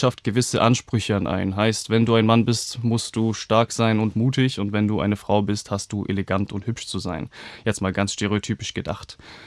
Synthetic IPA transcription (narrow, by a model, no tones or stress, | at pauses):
ʃaft̚ɡ̥əvɪsəʔanʃpʁ̥ʏçəanʔa̰ɪnɦaɪstv̥ɛnduːaɪnmanbɪstmʊstd̥uːʃtaɐkz̥aɪnʊntmuːtɪçʊntv̥ɛnduːʔa̰ɪnəfʁ̥aʊbɪsthast̚d̥uːʔḛleɡantʰʊnthʏpʃt͡suzaɪnjɛt͡stmaːlɡant͡sʃteʁeotʰyːpɪʃɡ̥əda̰χt